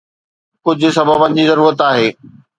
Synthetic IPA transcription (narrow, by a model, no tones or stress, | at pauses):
kʊd͡ʑʱʊ̆sɐbʱəbɐ̃nd͡ʑizɐɾuːɾət̪aːɦeː